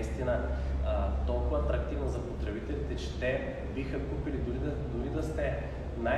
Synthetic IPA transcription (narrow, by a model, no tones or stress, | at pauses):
ist̪inə | t̪ɔlˠkʊvɐɐt̪ɾɐk̚t̪ivnɐzɐpot̪ɾɛbit̪ɛlit̪ɛt͡ʃɛ̥t̪ɛ | bixəkupilid̪uɾid̪ | d̪ʊɾid̪ɐst̪ɛ | na